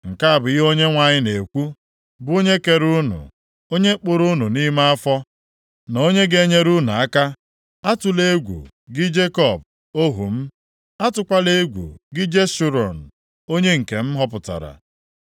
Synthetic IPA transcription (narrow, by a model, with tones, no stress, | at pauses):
ŋ̩˨ka˦a˨bʊ˨i˦ɦo˦ɲe˦ŋʷa˨ɲɪ˦ne˨kʷu˦ | bʊ˦o˦ɲe˦ke˨ɾu˦nṵ˨ | o˦ɲe˦k͡pʊ˨ɾu˦nu˨ni˦ma˦a˦fɔ˦ | no˦ɲe˦ɡe˨˦ɲe˦ɾu˦nu˨a˦ka˦ | a˦tʊ˨le˦ɡʷṵ˨ | ɡɪ˦d͡ʒe˦kɔ˦˨b̚ | o˦ɦṵ˨m̩˦ | a˦tʊ˨kʷa˦le˦ɡʷṵ˨ɡɪ˦d͡ʒe˦su˨ɾɔ˨n̩˨ | o˦ɲe˦ŋ̩˨ke˨m̩˦ɦɔ˦pʊ˨ta̰˨ɾa̰˨